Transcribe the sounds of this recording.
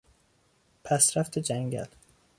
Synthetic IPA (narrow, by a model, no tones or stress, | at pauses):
pʰæsɾæft̪ed͡ʒæŋɡæ̰l